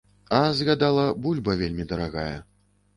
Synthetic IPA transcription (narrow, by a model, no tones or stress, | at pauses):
ɐzɣad̪alˠɐbulʲbɐvʲelʲmʲid̪ɐɾaɣa̰jɐ̰